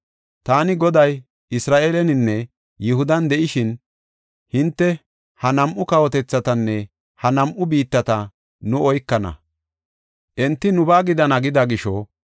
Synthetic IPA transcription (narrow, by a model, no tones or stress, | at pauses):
t̪aːnɪɡɔd̪ɐj | ʔɪsɾaːʔeːlɛnɪnːɛ | jɪɦʊd̪ɐnd̪ɛʔɪʃɪn | hɪnt̪ːɛ | hɐnɐmʔʊkɐwɔt̪ɛt͡sːɐt̪ɐnːɛ | hɐnɐmʔʊbiːt̪ːɐt̪ɐ | nʊɔjkːɐnɐ̰ | ʔɛnt̪ːɪnʊbaːɡɪd̪ɐnɐɡɪd̪ɐɡɪʃɔ